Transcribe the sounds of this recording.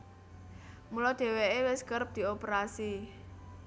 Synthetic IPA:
mulɔd̪̥e̤weewɪskəɾəp̚d̪̥i̤opɾasi

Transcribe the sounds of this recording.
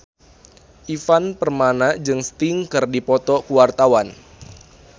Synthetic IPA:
ʔifanpərmanad͡ʒɨŋst̪iŋkɨrdipɔt̪ɔkuwart̪awan

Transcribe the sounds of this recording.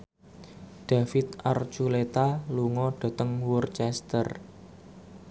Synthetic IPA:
ɖ̪̥ä̤fɪt̪̚ʔart͡ʃulet̪aluŋɔɖ̥ɔ̤t̪əŋwurt͡ʃɛst̪ə̰r

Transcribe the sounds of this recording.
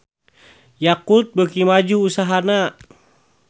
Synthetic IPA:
jakut̪̚bəkimad͡ʒuːsaɦana

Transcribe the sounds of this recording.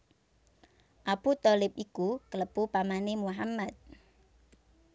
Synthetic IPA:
ʔaput̪ɔlɪp̚ikukələpupamanemuɦamːat̪̚

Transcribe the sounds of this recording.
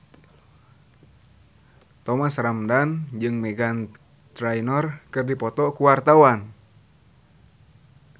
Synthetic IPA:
t̪ɔmasramdand͡ʒɨŋmɛɡan | t̪ɾajnɔrkɨrdipɔt̪ɔkuwart̪awan

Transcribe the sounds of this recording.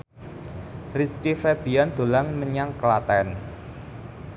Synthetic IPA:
riskifɛrb̥i̤and̪̥o̤laŋməɲaŋkəlat̪ɛn

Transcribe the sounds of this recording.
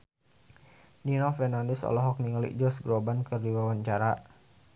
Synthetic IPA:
ninɔfɛrnandɛsɔ̰lɔɦɔk̚niŋalḭʔd͡ʒɔsɡɾobankɨrdiwawaɲt͡ʃaɾa

